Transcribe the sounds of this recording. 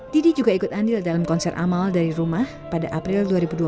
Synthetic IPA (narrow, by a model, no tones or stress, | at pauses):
t̪idid͡ʒuɡaikʊt̪andɪldalamkɔnsɛrʔa̰maldaɾiɾumah | padaʔapɾɪlduaɾibudua